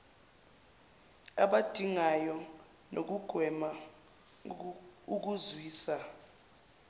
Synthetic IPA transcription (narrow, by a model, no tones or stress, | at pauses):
aɓad̥ʱiŋajɔ | nʔok̬uɡ̥ʱwɛma | uk̬uzwiːsa